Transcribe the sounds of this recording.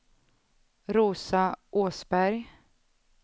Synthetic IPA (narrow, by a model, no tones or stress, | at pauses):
ɾuːsaʔoːsbæɾj